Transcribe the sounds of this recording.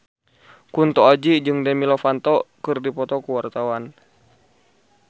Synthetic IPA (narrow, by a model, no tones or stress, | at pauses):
kunt̪ɔad͡ʒid͡ʒɨŋdɛmilɔfant̪ɔkɨrdipɔt̪ɔkuwart̪awan